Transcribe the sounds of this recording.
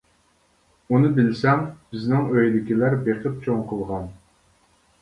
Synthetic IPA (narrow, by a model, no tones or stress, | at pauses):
unɨbɪlsɛŋb̥ɪznɪŋøjlɪkʲilæɾbeqʰɨp̚t͡ʃʰoŋqʰəlˠʁɑn